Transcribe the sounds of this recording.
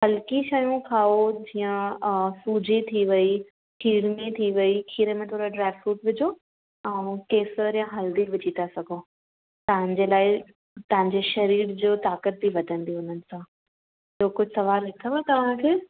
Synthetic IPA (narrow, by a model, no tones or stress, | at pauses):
ɦɐlkiʃɐjũkʰaːod͡ʑiːə̃suːd͡ʑʱit̪ʰiʋɐi | kʰiːɾmĩt̪ʰiʋɐikʰiːɾəmẽt̪ʰoːɾaɖɾaːɪfɾuːʈʋɪd͡ʑʱo | ɛ̃ːkeːsəɾjãɦɐld̪iʋɪd͡ʑʱit̪asɐɡʱoː | t̪ɐʋ̤ə̃ɲd͡ʑeːlaːɪ | t̪ɐ̃ɦɪ̃ɲd͡ʑeʃɐɾiːɾd͡ʑoːt̪aːkət̪̚bʱiʋɐd̪ʱə̃nd̪iʊn̤ənɪ̆sãː | ɪjoːkʊd͡ʑʱsɐʋaːlːɪk̪ʰəʋet̪ɐʋ̤ãkʰeː